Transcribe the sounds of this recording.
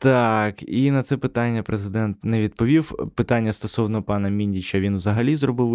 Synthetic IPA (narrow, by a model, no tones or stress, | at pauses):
t̪ɑkinɐt̪sɛpɪt̪ɑnʲːɐpɾezɪd̪ɛnt̪nɛʋʲid̪̚pɔʋʲiwpɪt̪ɑnʲːɐst̪ɔsɔwnɔpɑnɐmʲinʲd̪ʲit͡ʃɐʋʲinwzɐɦɐlʲizrɔbɪw